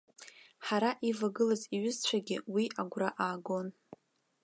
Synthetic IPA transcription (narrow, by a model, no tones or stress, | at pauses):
ħaɾaʔivaɡɨlaziɥɪzt͡ɕʷʰaɡʲɪwiʔaɡʷraʔaːɡo̞n